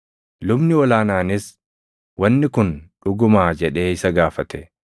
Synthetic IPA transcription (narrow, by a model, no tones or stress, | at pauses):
lʊbnɪɔlaːnaːnɪs | wɐnːɪkʊnᶑʊɡʊmaːd͡ʒɛᶑe̞ːɪsɐɡaːfɐt̪ɛ